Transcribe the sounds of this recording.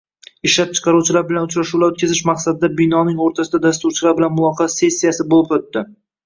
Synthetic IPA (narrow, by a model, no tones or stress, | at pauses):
ɪʃlap̚t͡ʃʰɨ̥qʰɑɾuwt͡ʃʰɪlaɾbɪlanʊt͡ʃɾaʃulaɾɵt̪̚kʲazɪʃmaqsad̪ɪd̪abinɒnɪŋoɾt̪ʰasɪd̪ad̪as̬t̪uɾt͡ʃʰɪlaɾbɪlanmʊlˠɒqʰɑse̞sʲːijasɪbolɪpot̪ːɪ